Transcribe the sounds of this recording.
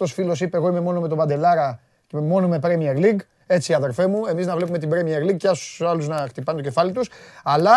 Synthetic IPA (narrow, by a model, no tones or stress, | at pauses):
o̞sfilo̞sipeɣo̞ime̞mo̞nome̞t̪obɐnd̪e̞lɐɾɐ | mo̞nome̞pɾemieɾliɡ | e̞t͡siɐðelfe̞mue̞miznɐvle̞p̬ume̞t̪ibɾemieɾliɡ̚ceɐst̪u̥sɐluznɐxt̪ipɐnet̪ocefɐlit̪usɐlɐ